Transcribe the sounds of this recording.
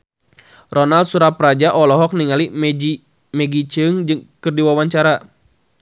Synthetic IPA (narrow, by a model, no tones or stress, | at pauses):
rɔnaldsuɾapɾad͡ʒaʔɔlɔɦɔk̚niŋalii | mɛɡit͡ʃɨŋd͡ʒɨŋkɨrdiwawaɲt͡ʃaɾa